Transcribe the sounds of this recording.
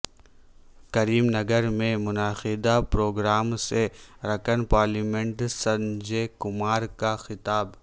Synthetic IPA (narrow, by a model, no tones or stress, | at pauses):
kɐɾiːmnɐɡəɾmẽmʊnaːxid̪apɾoːɡɾaːmseɾɐkənpaːɾliːmẽɳʈsɐnd͡ʒekʊmaːɾkaxɪt̪aːb